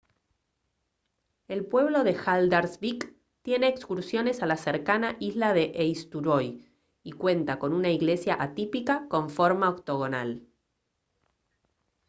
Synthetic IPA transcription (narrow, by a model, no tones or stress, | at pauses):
e̞lpwe̞β̞lo̞ðe̞xald̪aɾsβik | t̪je̞ne̞ːkskuɾsjo̞nesalaseɾkanaʔizlaðe̞ʔejst̪uɾoj | ikwent̪ako̞nunaiɣle̞sjaʔat̪ipikako̞ɱfo̞ɾmaokt̪o̞ɣona̰l